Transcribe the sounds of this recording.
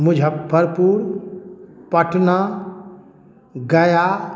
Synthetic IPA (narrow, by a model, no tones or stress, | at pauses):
mʊd͡ʒʱabʱəɾpuːɾ | pəʈʰna | ɡəja